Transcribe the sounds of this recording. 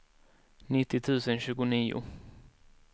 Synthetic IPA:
nɪt̪ːɪt̪ʰʉ̟ːsənɕʉ̟ːɡʊniːʊ̰

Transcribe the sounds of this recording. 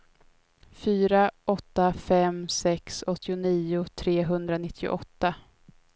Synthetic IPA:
fyːɾaʔɔt̪ːafɛmsɛksɔt̪ʰːɪʊniːʊt̪ʰɾeːɦɵnd̪ɾanɪt̪ʰːɪʊ̰ʔɔt̪ːa

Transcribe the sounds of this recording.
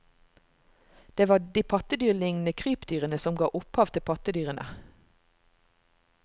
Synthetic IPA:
d̪̥eːʋɑːd̪iːpʰɑt̪əd̪yːʁlɪŋnəkʰʁyːpd̪yːʁənəsɔmɡɑ̰ːʔʊphɑːʋt̪ʰɪpʰɑt̪əd̪yːʁənʔə̰

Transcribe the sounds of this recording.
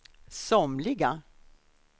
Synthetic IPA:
sɔmlɪɡa

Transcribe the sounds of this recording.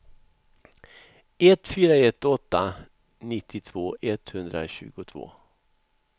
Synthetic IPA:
ɛt̪ːfyːɾaɛt̪ːɔt̪ːa | nɪt̪ʰːɪt̪ʰv̥oːʔɛt̪hɵnd̪ɾa̰ɕʉ̟̰ːɡʊt̪ʰv̥o̰ː

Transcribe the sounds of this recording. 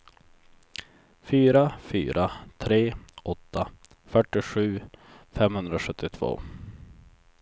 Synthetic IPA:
fyːɾafy̰ːɾʔat̪ʰɾeːʔɔt̪ʰːa | fœʈːɪɧʉ̟ːfɛmhɵnd̪ɾaɧɵt̪ːɪt̪ʰv̥o̰ː

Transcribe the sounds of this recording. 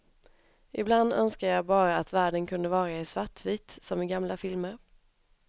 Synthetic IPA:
ʔɪbland̪œnskaəjɑːbɑːɾaːt̪væːɖənkʰɵnd̪əvɑːɾaɛsvaʈʰːviːt̪sɔmɪɡamlafɪlməɾ

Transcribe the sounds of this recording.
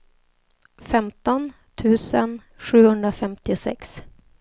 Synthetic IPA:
fɛmt̪ɔn | t̪ʰʉ̟ːsən | ɧʉ̟ːhɵnd̪ɾafɛmt̪ɪʊsɛ̰ks

